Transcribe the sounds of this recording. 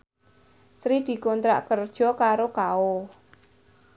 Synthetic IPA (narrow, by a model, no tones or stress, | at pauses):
sɾid̪̥i̤kont̪ɾa̰ʔkərd̥ʒ̥ɔ̤kaɾokaʊ